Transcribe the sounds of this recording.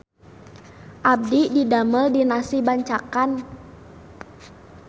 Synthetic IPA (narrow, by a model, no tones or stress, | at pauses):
ʔab̚dididaməldinasibaɲt͡ʃakan